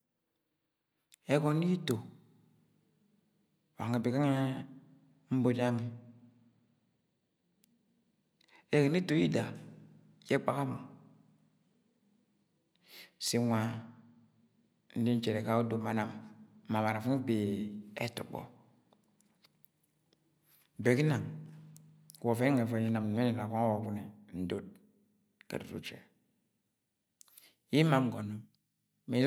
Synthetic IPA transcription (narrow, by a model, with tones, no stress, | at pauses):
ɛ˦kɔ˦ni˦i˦to˨ | wŋe˨be˨ka˦ŋɛ˦ | m̩˦bo˨d͡ʒa˦ŋi˨ | ɛ˦ke˨ni˦to˨ji˦da˨ | jɛ˦k͡pa˨ka˦mu˨ | si˨ŋʷa˨ | n̩˦di˦n̩˦t͡ʃɛ˨ɾe˨ka˦u˦do˨ma˨na˨m˨ma˨ma˨ɾa˨fu˦be˨ɛ̰˦tṵ˨k͡pɔ̰˨ | be˨ki˦na˨ŋ˨ | wo˨fe˦ŋe˨fa˨ji˦na˨m˨˦e˦ni˦˨a˨ko˦wo˨˦ku˦ni˨n̩˨do˨t̚ | ka̰˨dṵ˨ɾṵ˦t͡ʃɛ̰˨ | ji˦ma˦m˨ɡo˨no˦ | mi˨˦